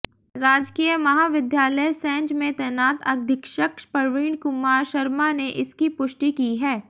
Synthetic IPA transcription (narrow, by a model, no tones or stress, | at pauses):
ɾaːd͡ʒkiːjəmɐɦaːʋɪd̪jaːləjsɛ̃ːɲd͡ʒmẽt̪ɛːnaːt̪ɐd̪ʱɪkʃəkʃpɐɾʋiːɳ̃kʊmːaːɾʃɐɾmaneʔɪskipʊʃʈikiɦɛː